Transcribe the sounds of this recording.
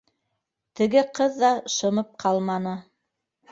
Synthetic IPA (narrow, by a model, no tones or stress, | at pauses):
t̪ɘ̆ɡɘqɤðːɑʃɤ̆mɤp̚qʰɑlˠmɑnɤ